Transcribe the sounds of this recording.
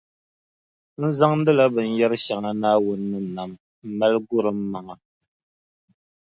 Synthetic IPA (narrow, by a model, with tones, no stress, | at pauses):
n̩˦za˦ŋn̩˦dɨ˦la˦bɨ˨n̩˨jɛ˦ɾɨ˦ʃa˨ŋa˦naː˦wʊ˦nːɨ˦˨na˨m | m̩˨ma˦lɡʊ˦ɾɨ˨m̩ː˦a˨ŋa˨